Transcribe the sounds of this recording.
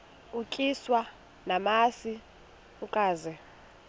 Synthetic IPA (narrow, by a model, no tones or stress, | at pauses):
ukʼiswa | namasi | ukʼaːzɛ